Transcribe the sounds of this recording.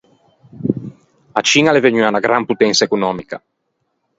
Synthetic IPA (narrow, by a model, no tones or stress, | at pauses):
at͡ʃiːnaleveɲyanaɡɾamput̪ɛnsaekunɔmika̰